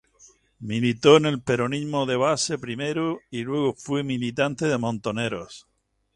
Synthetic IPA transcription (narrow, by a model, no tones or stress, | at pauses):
milit̪o̞ne̞lpe̞ɾonimoðe̞β̞ase̞pɾime̞ɾoilwe̞ɣ̞ofwemilit̪ant̪eðe̞mõnt̪o̞ne̞ɾos